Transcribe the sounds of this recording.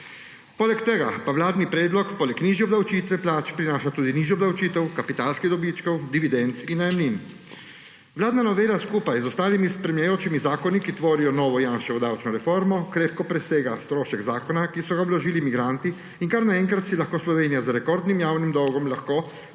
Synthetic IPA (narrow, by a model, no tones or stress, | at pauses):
poːlɛkt̪ɛɡa̰pawlaːd̪nipɾɛːd̪lɔkpoːlɛkniʒjiɔbd̪awt͡ʃiːt̪ʋɛplaːt͡ʃpɾinaːʃat̪uːd̪iniːʒɔbd̪awt͡ʃiːt̪ɛwkapit̪aːlskid̪ɔbiːt͡ʃkɔwd̪iʋid̪ɛnt̪inːajɛmlin | ʋlaːd̪nanɔʋeːlaskuːpajzɔst̪aːlimispɾɛmljajoːt͡ʃimizaːkɔnikit̪ʋoːɾijɔnɔːʋɔjanʃɛʋɔd̪awt͡ʃnɔɾɛfoɾmɔkɾeːp̪kɔpɾɛseːɡast̪ɾoːʃɛɡzaːkɔnakisɔɡaɔblɔʒiːlimiɡɾant̪i | iŋkaɾnaɛŋkɾat̪silaxkoːslɔʋeːnijazaɾɛkɔɾd̪nimjaːwnimd̪ɔwɡɔmlaxkoː